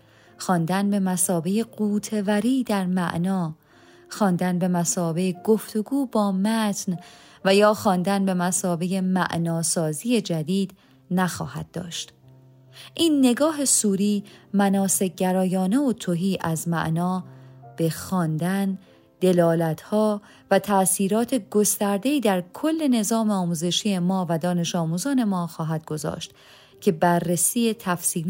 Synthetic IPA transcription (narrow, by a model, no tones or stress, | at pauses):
xɒːnd̪ænbe̞mæsɒːbe̞jeɢuːt̪ʰe̞væɾiːd̪æɾmæ̰ʔnɒː | xɒːnd̪ænbe̞mæsɒːbe̞ɡ̥o̞ft̪ʰo̞ɡuːbɒːmæt̪ʰn | væjɒːxɒːnd̪ænbe̞mæsɒːbe̞je̞mæ̰ʔnɒːsɒːziːje̞d͡ʒæd̪iːd̪̥ | næxɒ̰ːhæd̪̥̚ːɒːʃt̪ | ʔiːnːe̞ɡɒːɦe̞suːɾiːmænɒːse̞ɟæɾɒːjɒːneot̪ʰoɦiːʔæzmæ̰ʔnɒːb̥e̞xɒːnd̪æn | d̪̥e̞lɒːlæt̪ʰhɒː | væt̪ʰæsiːɾɒːt̪ʰe̞ɡo̞st̪æɾd̪e̞iːd̪æɾkʰo̞lːe̞ne̞zɒːmeɒːmuːze̞ʃije̞mɒːvæd̪ɒːne̞ʃɒːmuːzɒːne̞mɒːxɒːɦæd̪̥̚ɡo̞zɒ̰ːʃt̪ | cʰe̞bærːesiːje̞t̪ʰæfsiːl